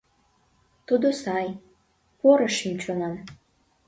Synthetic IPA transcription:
t̪ud̪osɑj | poɾəʃimt͡ɕonɑn

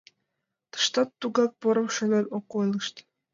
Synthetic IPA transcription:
t̪ɤ̥ʃt̪ɑt̪ːuɡɑk̚poɾɤ̆mʃø̆nɘlʲokːojlˠɯʃt̪

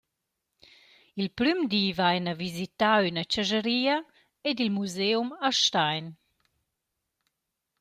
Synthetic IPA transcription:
ilpɾymd̪iːvajnavizit̪aynət͡ʃaʒəɾiːɐ | ed̪ilmuzeumaʃtajn

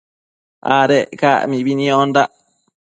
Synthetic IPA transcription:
ʔa̰ɾekaʔmĩβinĩond̪aʔ

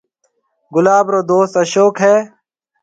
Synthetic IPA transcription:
ɡʊlaːbɾoːd̪oːst̪əʃoːkɦeː

